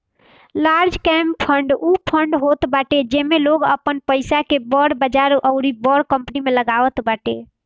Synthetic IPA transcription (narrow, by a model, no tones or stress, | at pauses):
laɾd͡ʒkɛmpʰəɳɖupʰəɳɖɦot̪baʈed͡ʒemeloɡəpənpəɪsakebəɽbəd͡ʒaɾʔəʊɾibəɽkəmpnimeləɡabət̪baʈe